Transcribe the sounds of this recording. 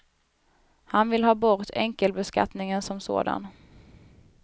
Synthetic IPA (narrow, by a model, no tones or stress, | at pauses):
hanvɪlhɑːbɔɾt̪ʰɛ̰ŋkəlbɛska̰t̪nɪŋənsɔmso̰ːd̪a̰n